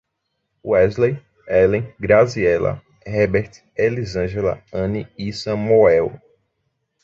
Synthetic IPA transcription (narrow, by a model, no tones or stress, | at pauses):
uɛzlej | ɛlẽɡɾaziɛlɐ̰ | hɛbeɾt̪ | elizɐ̃ʒelɐ̰ɐ̃niisɐ̃moɛw